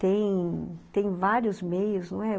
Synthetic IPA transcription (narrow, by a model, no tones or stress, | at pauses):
t̪ẽj̃t̪ẽj̃vaɾjʊzmejʊsnɐ̃w̃ɛ